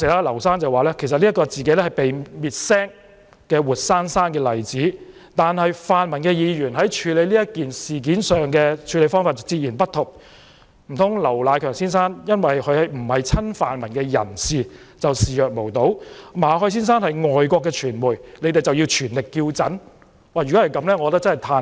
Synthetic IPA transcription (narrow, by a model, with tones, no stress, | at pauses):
sɛː˨˩laː˧˥lɐ˨˩wsaː˥nt͡sɐ˨˩waː˨˩lɛː˥kʰsɐ˨t̚liː˥t̚kɔː˧t͡siː˨ke˨˥jlɛ˥hɐ˨jpe˨jmiː˨t̚sɛː˥ŋ | kɛː˧wuː˨t̚saː˥nsaː˥nkɛː˧lɐ˨˩jt͡siː˨˥t̪aː˨nhɐ˨jfaː˨nmɐ˨˩nkɛː˧jiː˨˧jyː˨˩nɦɐ˨˥jt͡ʃʰyː˨˧le˨˧jliː˥jɐ˥kiː˨nsiː˨˩k̬iː˨˥nsœː˨ŋkɛː˧t͡ʃʰyː˨˧le˨˧jfɔː˥ŋfaː˧˩tt͡sɐ˨t͡siː˧t̚jiː˨˩npɐ˥t̚t̪ʰːʊ˨k̚ | m̩˨˩t̪ʰʊ˨˥ŋlɐ˨˩wlaː˨˧jkʰœː˨˩ŋsiː˥nsaː˥njɐ˥nwɐ˨jkʰɵ˨˧ɥhɐ˨jm̩˨˩hɐ˨jt͡sʰɐ˥nfaː˨nmɐ˨˩nkɛː˧jɐ̰˨˩nsiː˨ | t͡sɐ˨wsiː˨jœː˨k̚mo˨˩wt̪o˨˥wmaː˨˧ɦɔː˨˥js̬iː˥ns̬aː˥nhɐ˨jŋɔː˨jkʷɔː˧kːɛː˧t͡ʃʰyː˨˩nmuː˨˩jnle˨˧jt̪e˨jt͡sɐ˨wji˧wt͡ʃʰyː˨˩nlɪ˨kːiː˧wt͡sɐ˨˥n | waː˨˩jy˨kɔ˨˥hɐ˨jkɐ˨˧˥mlɛː˥ŋɔ˨˧ɔ˧t̪kt͡snhjt̪ʰaː˧